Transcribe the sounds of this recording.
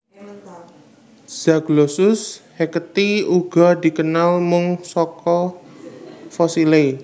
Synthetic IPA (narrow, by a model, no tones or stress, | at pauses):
z̥aɡ̥losʊshekət̪iuɡ̥ɔ̤d̪i̤kənalmʊŋsɔkɔ | fɔsile